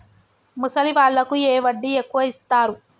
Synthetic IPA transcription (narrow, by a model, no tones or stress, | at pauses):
musɐliʋaːɭːɐkueːʋɐɖːiekːuʋɐist̪aːɾu